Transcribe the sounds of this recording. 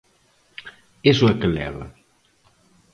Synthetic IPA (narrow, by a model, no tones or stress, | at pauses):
esuɛkəlɛ̰βɐ̰